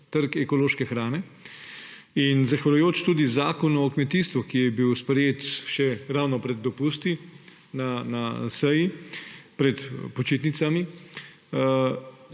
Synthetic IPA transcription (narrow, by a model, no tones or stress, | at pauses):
t̪əɾkɛkɔloːʃkɛxɾaːnɛ | inzaxʋalujoːt͡ʃt̪uːd̪izaːkɔnuɔkmɛt̪iːst̪ʋukijɛbiwspɾɛjeːt̪ʃɛɾawnɔpɾɛd̪ːɔpuːst̪i | nanasɛjipɾɛt̪pɔt͡ʃeːt̪nit̪sami